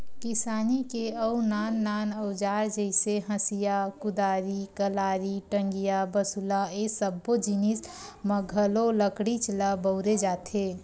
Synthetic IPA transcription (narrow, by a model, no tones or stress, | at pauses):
kɪsaːnikeɐunaːnːaːnəʊd͡ʒaːɾd͡ʒəɪseɦɐ̃sijakʊd̪aːɾikəlaːɾiʈə̃ŋɡijabəsulaesəbːod͡ʒinisməɡʱəloləkɽit͡ʃlabəʊɾed͡ʒaːt̪ʰeː